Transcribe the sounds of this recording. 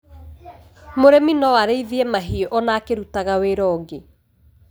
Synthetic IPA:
moɾeminɔwaɾeiðiɛmaɦiɔʔɔnakeɾutaɣaweɾɔɡe

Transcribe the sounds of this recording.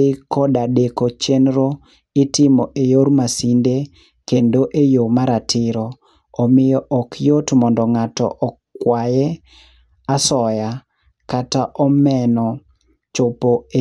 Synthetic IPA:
ɪkɔdadekot͡ʃenɾo | ɪtɪmɔʔejoɾmasinde | kendoʔejomaɾatʰɪɾɔː | mɪjɔʔɔkʰjotmɔndɔŋatɔ̰ʔɔkːwajɛ | asɔja | kataʔɔmɛnɔ | t͡ʃɔpoe

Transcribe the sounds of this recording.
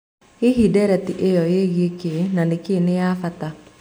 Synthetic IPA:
eɦidɛɾɛtiʔejɔjeɣekenanekenejaːfata

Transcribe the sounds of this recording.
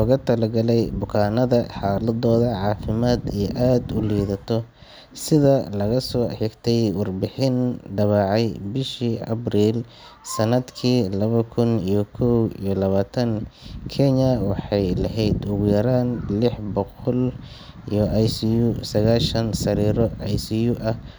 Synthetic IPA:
lɔːɣɐt̪ʰɐlɐɡɐlɛjbʊkʰaːnɐðɐħɑːlɐðɔːðɐʕɑːfɪmaːd̪ɛʔaːd̪ʊliːðɐt̪ʰɔ | sɪðɐlɐɣɐsɔːħɪɡt̪ʰɛjwɑrbɪħɪnɖ̪ɐβɑːʕɑjbɪʃiʔɐ̰briːl | sɐnɐd̪kʰiːlɐβɐkʰʊnijɞkʰɔwḭjɔlɐβaːt̪ʰɐŋkʰɛɲɐwɑħɑjlɐɦɛjd̪ʊɣʊjɐɾaːnlɪħbɔqɔl | ijɞʔɑjsɪjʊsɐɣaːlʃɐnsɐɾiːɾɔʔɑjsɪjʊʔɐh

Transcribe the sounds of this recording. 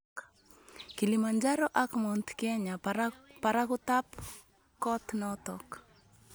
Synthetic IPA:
kilimand͡ʒaɾɔʔakmɔnt̪kɛɲapaɾakut̪ap | kɔt̪nɔt̪ɔk

